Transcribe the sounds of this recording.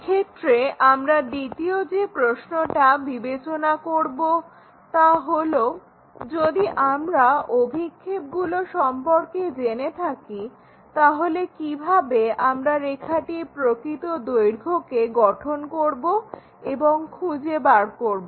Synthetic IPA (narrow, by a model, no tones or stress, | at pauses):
kʰet̪ɾeʔamɾad̪it̪iod͡ʑepɾosnoʈabibet͡ɕonakoɾbo | t̪aɦolo | d͡ʑod̪iʔamɾaobʱikʰːep̚ɡuloʃɔmpoɾked͡ʑenet̪ʰaki | t̪aɦolekibʱabeamɾaɾekʰaʈipɾokɾit̪od̪ojɾɡʱokeɡɔʈʰonkoɾbo | eboŋkʰud͡ʑebaɾkoɾboo